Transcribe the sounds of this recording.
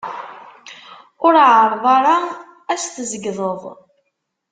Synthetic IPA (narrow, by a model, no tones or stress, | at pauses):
ʊɾʕəɾˤðˤɑɾˤɑ | æsθəzəɡðˤəðˤ